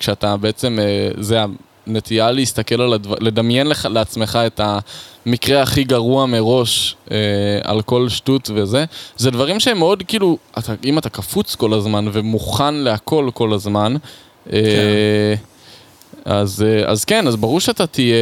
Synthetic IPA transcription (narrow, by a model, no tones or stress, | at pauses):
kʃeatabe̞et͡se̞mezea | netialeist̪ake̞laladvale̞d̪amje̞nleχaleat͡sme̞χae̞tamikʁe̞aχiɡaʁuameʁo̞ʃea̰lko̞lʃtutve̞ze̞zedvaʁimʃeemeo̞dkiːluataimatakafut͡sko̞lazmanve̞muχanle̞akʰo̞lko̞lazman | e | azea̰zkenazbaʁuʁʃeatatije